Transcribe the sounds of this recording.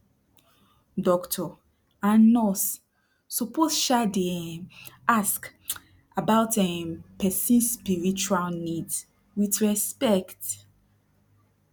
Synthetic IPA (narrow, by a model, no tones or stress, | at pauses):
dɔktʰɔ | ãnnɔs | sɔposʃadi | ask | abaʊtɛmpɛsĩnsːpiɹit͡ʃualnid | witɹɛspɛkt